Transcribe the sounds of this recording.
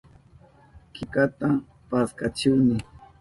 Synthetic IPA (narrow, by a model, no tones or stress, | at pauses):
kɪkat̪a | paskat͡ʃɪwnɪ